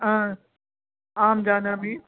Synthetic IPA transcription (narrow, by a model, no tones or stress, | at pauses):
ɦãː | aːmd͡ʒaːnamẽː